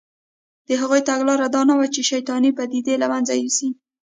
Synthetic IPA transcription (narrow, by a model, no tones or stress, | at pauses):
d̪̥əɦaɣojt̪aɡlɑɾad̪ɑnawat͡ʃeʃajt̪ɑnipad̪id̪elamanzajusi